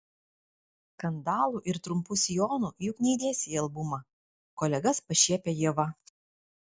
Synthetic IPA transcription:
kɐnd̪ɑːlˠuʔɪɾt̪ɾʊmpʊsʲɪjoːnujʊknʲɛɪd̪ʲiɛsʲeɐlˠbʊmɐ | koːlʲɛɡɐspɐʃʲiɛpʲejiɛʋɐ

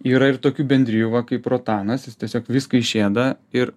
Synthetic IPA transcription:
iːɾɐɪrt̪oːkʲuːbʲɛnʲd̪ʲɾʲɪjuːʋɐkɐɪproːt̪ɑːnɐsjɪst̪ʲiɛsʲoːkʋʲiːskɐɪʃʲeːd̪ɐɪɾ

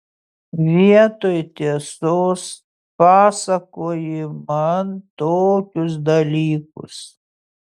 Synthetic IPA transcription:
ʋʲiɛt̪oːjt̪ʲeɛsoːs | pɑːsɐkoːjɪmɐnt̪oːkʲʊs̬d̪ɐlʲiːkʊ̰s

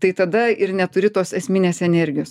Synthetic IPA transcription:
t̪ɐɪt̪ɐd̪ɐɪrnʲɛt̪ʊɾʲɪt̪oːsɛsʲmʲinʲeːsɛnʲɛɾʲɡʲɪjoːs

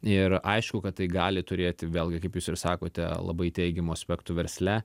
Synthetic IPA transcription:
ɪɾʔɐɪʃkʊkɐt̪t̪ːɐɪɡɑːlʲɪt̪ʊɾʲeːt̪ʲɪʋʲeːlˠʲɡʲɪkɐɪpjuːsɪɾsɑːkoːt̪ʲɛ̰lˠɐ̰bɐɪt̪ʲɛɪɡʲɛmoɐsʲpʲɛkt̪ʊʋʲɛɾʲsʲlʲɛ

